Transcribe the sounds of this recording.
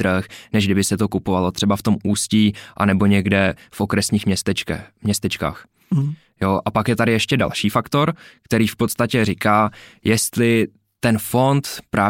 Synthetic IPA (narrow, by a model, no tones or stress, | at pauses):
ɾəxnɛʒɡdɪbɪsɛt̪o̞kupo̞valo̞t̪r̥ɛbaft̪o̞mʔuːsciʔa̰nɛbo̞ɲɛɡdɛfʔo̞kɾɛsɲiːxmɲɛst̪ɛɛmɲɛst̪ɛt͡ʃka̰ːx | joʔapakjɛt̪adɪjɛʃcɛda̰lʃiːfakt̪o̞ɾkt̪ɛɾiːfpo̞t̪st̪acɛrɪkaːjɛst̪lɪ | t̪ɛnfo̞nt̪pɾʔaː